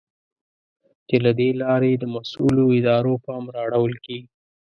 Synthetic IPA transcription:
t͡ʃelad̪elɑɾed̪əmasṵloɪd̪ɑɾopɑmɾɑɽawəlkeɡi

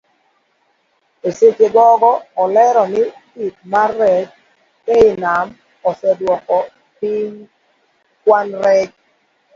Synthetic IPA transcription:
eset͡ʃeɡɔɡɔɔlɛɾɔnɪdit̚marːɛt͡ʃ | eɪnam | ɔsɛdwɔkɔ | piɲ | kwanɾɛt͡ʃ

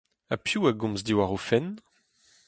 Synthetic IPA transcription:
a̰pjuːaɡɔ̃mzdiwaʁofɛn

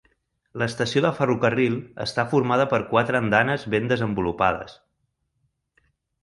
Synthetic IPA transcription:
ləːst̪əsioðəfərukərilˠə̰st̪afuɾmaðəpəɾkwat̪ɾəːnd̪anəzβend̪əzəmbulupa̰ðə̰s

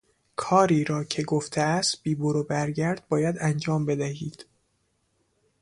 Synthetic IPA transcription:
kʰɒːɾiːɾɒːcʰe̞ɡoft̪ʰeæst̪̚b̥iːboɾobæɾɟæɾd̪̚bɒːjæd̪ænd͡ʒɒːmbe̞d̪æhiːd̪̥

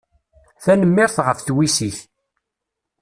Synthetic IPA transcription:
θænəmːɪɾθʁəfθwisiç

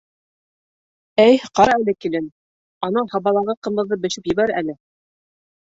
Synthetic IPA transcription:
æjqɑɾɑælɘkilɘn | ɑnɤhɑβɑlˠɑʁɤqɤ̆mbɤ̆ðːɤbɘ̆ʃɘpjɘ̆βæɾælɘ

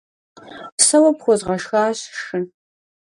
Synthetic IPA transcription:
psɐwɐpχʷɔzʁɐʂxaːɕʂɨn

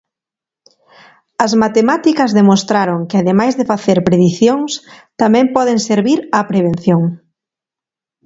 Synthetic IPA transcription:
ɐzmat̪emat̪ikɐzðemost̪ɾaɾoŋkɪaðemajzðɪfaθeɾpɾeðiθjoŋst̪amɛ̃mpɔðeŋseɾβiɾɐpɾeβ̞ẽnθjoŋ

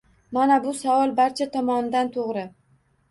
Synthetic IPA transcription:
manabʊsavɒlˠbaɾt͡ʃʰat̪ʰɒmɒnɪd̪ant̪ʰoʁɾɪ

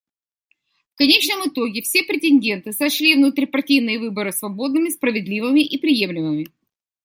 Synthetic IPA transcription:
fkɐnʲet͡ɕnəmɨt̪oɡʲɪfsʲe̞pɾʲɪtʲɪnʲdʲe̞nt̪ɨsɐɕlʲivnut̪ɾʲpɐrtʲijnɨjəvɨbəɾɨsvɐbo̞d̪nɨmʲɪspɾəvʲɪd̪lʲivɨmʲɪʔipɾʲɪje̞mlʲɪmɨmʲɪ

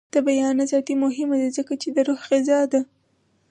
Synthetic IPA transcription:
d̪̥əbajɑnazɑt̪imʊɦɪmad̪izəkat͡ʃed̪əɾohɣɪzɑd̪a

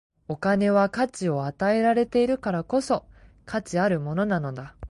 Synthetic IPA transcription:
o̞kane̞βakat͡ɕio̞at̪ae̞ɾaɾe̞t̪e̞iɾɯ̟kaɾako̞so̞ | kʰat͡ɕiaɾɯ̟mo̞no̞nano̞d̪a

